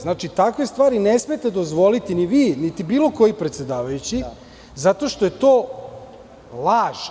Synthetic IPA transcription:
znaːt͡ʃit̪akʋest̪ʋaːɾinesmijet̪e̞d̪o̞zʋo̞lit̪iniʋiːnit̪ibiːlˠo̞ko̞jipɾet̪se̞d̪aːʋajut͡ɕi | zat̪o̞ʃt̪oje̞t̪oː | lˠaːʒ

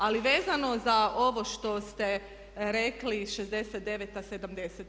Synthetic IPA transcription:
aliʋeːzano̞zaʔo̞ʋo̞ʃt̪o̞st̪e | ɾekliʃezd̪e̞set̪̚d̪e̞ʋet̪ased̪amd̪e̞set̪

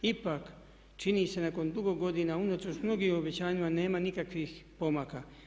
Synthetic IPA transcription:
ipak | t͡ʃiniːse̞nako̞nd̪uɡo̞ɡo̞d̪inaunot̪ɾosmno̞ɡiːmobet͡ɕaːɲimane̞ːmanikakʋixpo̞maːka

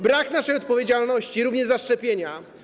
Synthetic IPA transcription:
bɾaknaʂɛjɔt̪̚pɔvʲjed͡ʑalnɔɕt͡ɕiɾuvɲɛʐzaʂt͡ʂɛpʲjeɲa

